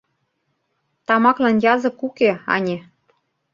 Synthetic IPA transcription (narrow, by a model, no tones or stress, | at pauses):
t̪ɑmɑklɑnjɑzɤ̆kukeɑ̰nʲe